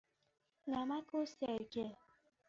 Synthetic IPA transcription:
ŋamakosaeke

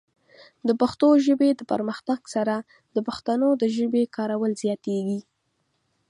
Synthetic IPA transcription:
d̪əpaxt̪oʒəbed̪əpəɾməxt̪aɡsaɾa | d̪əpaxt̪anod̪əʒəbekɑɾawəlzjɑt̪eɡi

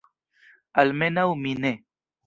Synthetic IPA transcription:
ɐlmenawmine

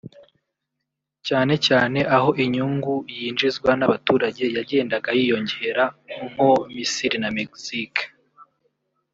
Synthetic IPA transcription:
caːne̞caːne̞ʔaɦo̞ʔiɲuŋɡujiːnd͡ʒizɡwanaβatuːɾaɟe̞jaɟe̞ːndaɡajiːjo̞ɲɟe̞ɾaŋ̥ho̞misiɾinameksik

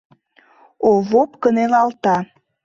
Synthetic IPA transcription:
oβopkənelɑlt̪ɑ

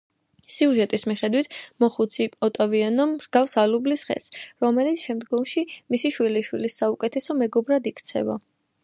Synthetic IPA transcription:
siuʒɛt̪ʼismiχɛd̪wit̪ʰmɔχut̪sʰipʼɔt̪ʼavianɔmsɡ̥afsalublisχɛ̰sɾɔmɛlit̪sʰʃɛmd̪ɡɔmʃimisiʃwiliʃwilisːaukʼɛt̪ʰɛsɔmɛɡɔbɾad̪ikʰt̪sʰɛ̰va

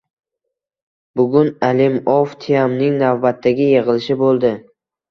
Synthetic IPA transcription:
bʊɡʲʊnalɪmɔft̪ʰɪjamnɪŋnavbat̪ʰːaɡʲɪjeʁɨlɪʃɪbolˠd̪ɪ

